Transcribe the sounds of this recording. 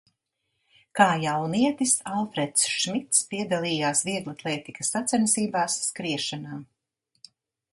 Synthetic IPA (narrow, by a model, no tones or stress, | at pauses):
kaːjawniɛt̪isalˠfɾɛt̪sʃmit̪spiɛd̪alˠiːjaːsviɛɡlˠat̪lˠɛːt̪ikɐsːat̪sɛnsiːbaːsːkɾiɛʃanaː